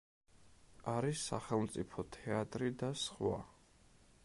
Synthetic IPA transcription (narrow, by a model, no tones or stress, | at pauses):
aɾisːa̰χɛlˠmt̪sʼipʰɔt̪ʰɛat̪ʼɾid̪asχwa̰